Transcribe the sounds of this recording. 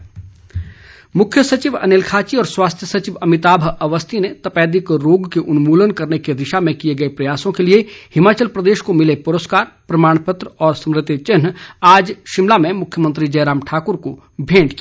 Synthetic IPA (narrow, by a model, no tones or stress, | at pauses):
mʊkʰjəsɐt͡ʃiʋɐ̰nelkʰaːt͡ʃiɔːɾswaːst̪ʰjəsɐt͡ʃiʋɐmɪt̪aːbʱɐʋəst̪ʰinet̪ɐpɛːd̪ɪkɾoːɡkeʔʊnmuːlənkɐɾneked̪ɪʃamẽkijeɡɐepɾɐjaːsõkeliehɪmaːt͡ʃəlpɾɐd̪eːʃkomɪlepʊɾəskaːɾpɾɐmaːɽ̃pət̪ɾəɔːɾsɐ̃mɾɪt̪ːit͡ʃɪnaːd͡ʒʃɪmlamẽmʊkʰjəmə̃nt̪ɾid͡ʒɐːɾaːmʈʰaːkʊɾko | bʱẽːɖki